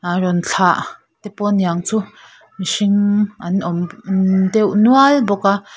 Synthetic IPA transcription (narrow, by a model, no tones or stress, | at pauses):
arɔnt͡ɬʰaʔ | t̪ɛpɔniaŋt͡su | misiŋʔanʔɔmndɛwnualbɔka